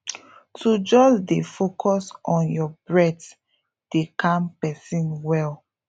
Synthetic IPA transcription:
tʰud͡ʒɔsdefokʰɔsɔ̃njɔbɹɛt | d̥ekʰãmpɛsĩnwɛl

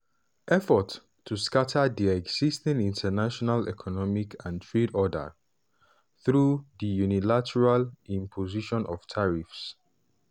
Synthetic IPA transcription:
ʔɛfɔtʰː | uskatʰəðiɛɡz̥istĩnĩntʰənaʃɔnalɛ̰kʰɔnɔmikʰãntʰɹedɔdə̰ | θɹuðijunilatʰɛɹalĩmpʰoziʃɔ̃nʔɔv̥tʰaɹifs

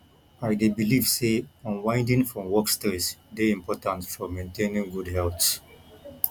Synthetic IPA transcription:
ajdebiliːvseɔ̃nwãɪ̃nɖĩŋfɾɔ̃mwɔksteɾsd̪eĩmpɔːʈãnsfɔɾmẽntẽnĩŋɡuɖɦɛlt̪s

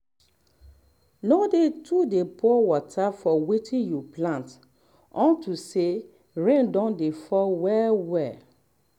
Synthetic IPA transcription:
nodetʰudepɔwɔtʰafɔwetʰĩnjuplãnt | ɔ̃ntuse | ɹɛ̃ndɔ̃ndefɔwɛwɛ

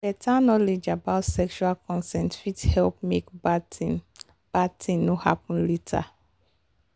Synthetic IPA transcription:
bɛtʰanɔled͡ʒabaʊtsɛkʃualkʰɔ̃nsɛ̃ntfithɛlp̚mekba | b̥atĩŋnoha̰pɔ̃nletʰa̰

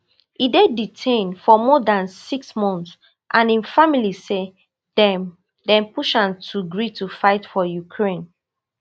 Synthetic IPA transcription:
ideditʰẽnfɔmɔdãnsiksmɔ̃nθs | ʔãnĩnfamilise | dɛm | dɛ̃mpuʃãntʰuɡɹitufaɪtfɔjukʰɹẽn

